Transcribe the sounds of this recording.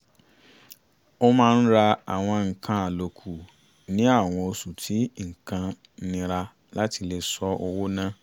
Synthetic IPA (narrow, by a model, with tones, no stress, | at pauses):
o˦mãː˦n̩˦ɾa˧a̰˨w̃ɔ̃˧ŋ̩˨kʰã˧a˨lo˨kʰu˨ | nĩ˦a˦˨w̃ɔ̃˧o˧su˨tʰi˨˦ŋ̩˨kã˧ | nĩ˧ɾa˧ | la˨˦ti˧le˧sɔ˧˦o˧wo˦nã˦